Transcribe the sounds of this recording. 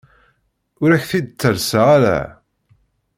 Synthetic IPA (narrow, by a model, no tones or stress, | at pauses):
ʊɾæçθid̪̚t͡sːəɾsaʁaɾæ̰